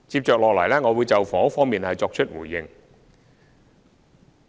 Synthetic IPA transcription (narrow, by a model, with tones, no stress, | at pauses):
t͡si˧p̚t͡ɕœː˨˩k̚lɔː˨˩laː˨˩jlaː˦˥ŋɔː˨˧wuː˨˧˦jt͡sɐ˨˩wfɔː˨˥fɔː˧˥ŋmiː˨˩nhɐ˨˩jt͡sɔː˧k̚sʰə˥t̚wuː˨˩jːɪ˨˩ŋ